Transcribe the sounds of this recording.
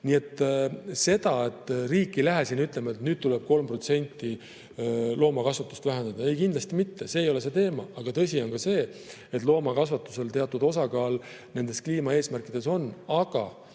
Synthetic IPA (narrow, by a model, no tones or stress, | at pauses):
nie̞t̪ːˑse̞d̪̥ɑe̞t̪ˑːriːkːˑilæɦesinyt̪ˑlemɑet̪nyːd̪̚t̪uleb̥̚ko̞lmpro̞t̪se̞nʲt̪ˑːi | lo̞ːmɑkɑsvɑt̪ːˑu̥st̪væɦend̪ɑd̪̥ɑe̞jkind̪lɑst̪imit̪ːese̞ːjo̞le̞s̬e̞t̪e̞ːmɑɑɡ̥ɑt̪ɤ̞s̬ʲio̞nkɑse̞ː | et̪ːˑlo̞ːmɑkɑs̬vɑt̪ːˑuse̞lt̪e̞ɑt̪ːˑud̪o̞s̬ɑkɑːl | ne̞nd̪̥e̞skliːmɑe̞ːsmærkˑid̪̥e̞so̞nːɑɡ̥ɑ̰